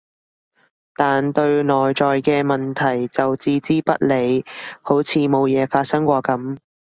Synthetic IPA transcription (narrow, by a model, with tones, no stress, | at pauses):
t̪aː˨nt̪ɵ˧ɥnɔː˨jt͡ʃɔː˨jkɛː˧mɐ˨nt̪ʰɐ˨˩jt͡sɐ˨wt͡siː˧t͡siː˥pɐ˥t̚le˨˧jho˨˥wt͡sʰiː˨˧mo˨˧wjɛː˨˧faː˧t̚sɐ˥ŋkʷɔː˧kɐ˨˥m